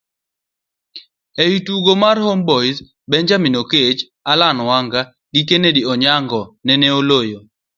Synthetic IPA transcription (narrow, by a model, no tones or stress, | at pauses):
eituɡomarhombɔis | bɛɲd͡ʒaminoket͡ʃ | alanwaŋɡa | ɡikenediɔɲaŋɡɔnɛnɛolojo